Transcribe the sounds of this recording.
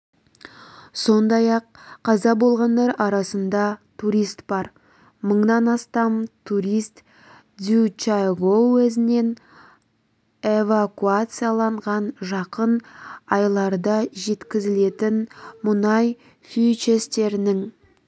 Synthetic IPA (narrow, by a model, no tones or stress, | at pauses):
so̞nd̪ɑjɑqʰːɑzɑbo̞lˠʁɑnd̪ɑɾɑɾɑsənd̪ɑt̪ʰuɾijst̪bɑɾ | məɴnɑnɑst̪ɑmt̪ʰuɾijst̪ | d̪ut͡ʃaɡowɵzɪne̞n | evakuat̪sɨjalˠɑɴʁɑnʒɑqənɑjlˠɑɾd̪ɑʒe̞t̪kʲɪzɪle̞t̪ɪnmʊnɑj | fʲit͡ʃest̪e̞ɾɪnɪŋ